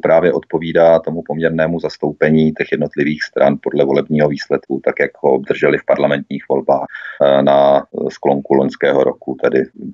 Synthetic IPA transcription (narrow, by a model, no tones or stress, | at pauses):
pɾaːvjɛʔo̞t̪̚po̞viːdaːt̪o̞mupo̞mɲɛɾnɛːmuzast̪o̞wpɛɲiːt̪ɛxjɛdno̞t̪lɪviːxst̪ɾʔa̰npo̞dlɛvo̞lɛbɲiːɦo̞viːslɛt̪kut̪akjakɦoobd̪r̩ʒɛlɪfpaɾlamɛnt̪ɲiːxvo̞lbaːxnasklo̞ŋkuloɲskɛːɦoɾo̞̰kut̪ɛdɪ